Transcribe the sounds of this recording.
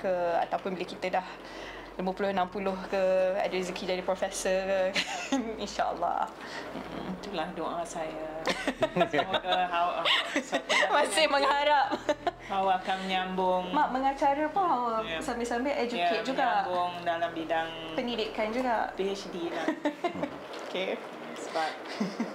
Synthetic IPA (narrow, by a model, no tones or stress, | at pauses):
kəa̰t̪awpʊnbilekit̪ədah | liməpulʊhənampulʊhkəa̰dizəkʰid͡ʒadipɾɔfɛsəkə | inʃa̰ʔə̰lːɑ̰h | m̩̰t̪ulahdoʔasaja | kəɦaw | mãsɪhməŋhaɾap̚ | hawaakanməɲambʊŋmaʔməŋat͡ʃaɾəpʊŋɦawəsambɪsambɪʔɛd͡ʒuket̪̚d͡ʒuɡaʔbʊŋdalambidaŋ | pəndidɪkand͡ʒuɡaʔpesdila | oke | səbap̚